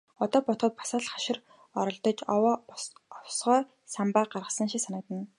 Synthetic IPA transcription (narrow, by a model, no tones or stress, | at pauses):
ɔt̪ɔːpɔt̪χɞ̆t̪̚pḁsaːɮχaʃɪ̆r | ɔɾɞ̆ɮt̪ɞ̆t͡ɕwɔwsʁɔː | sampaːɢarʁə̆sə̆nʃiksanə̆k̚t̪ə̆n